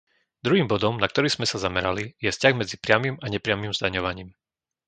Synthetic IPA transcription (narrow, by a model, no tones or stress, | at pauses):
d̪ɾuɦiːmbɔd̪ɔmnak̚t̪ɔɾiːz̥mɛsazamɛɾalijɛfscaɣmɛd͡zipɾɪamimaɲɛpɾɪamimzd̪aɲɔʋaɲiːm